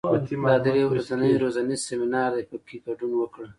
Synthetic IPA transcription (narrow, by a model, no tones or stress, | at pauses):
id̪ɑd̪əjawɾazanəjɾozanizseminɑɾd̪ejpəkʰiɡaɖunwəkɽə